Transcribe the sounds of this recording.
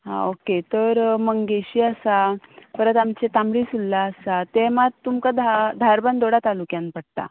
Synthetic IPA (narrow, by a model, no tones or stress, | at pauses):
ɦa̰oket̪əɾməŋɡeɕiːasafəɾət̪amt͡ɕet̪amɽisulːaːsat̪emat̪ːumkad̪ad̪ʱaɾband̪oɽat̪alukjãnpəɽt̪a̰